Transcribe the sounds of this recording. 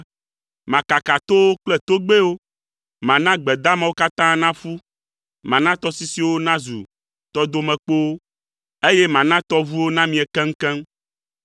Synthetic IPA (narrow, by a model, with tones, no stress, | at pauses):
mã˨ka˨ka˨t̪o˦wo˦k͡plɛ˦t̪o˦ɡ͡be˦wo˦ | mã˨nã˦ɡ͡bɛ˨d̪a˦mɛ̃˨wo˦ka˦t̪ã˦nã˦fu˦ | mã˨nã˦t̪ɔ˦si˦si˦wo˦nã˦zu˨ | t̪ɔ˦d̪o˦mɛ̃˨k͡po˦wo˦ | e˦je˦mã˨nã˦t̪ɔ˦vu˦wo˦nã˦mĩ˨ɛ˨kɛ̃˦ŋ̩˦kɛ̃˦m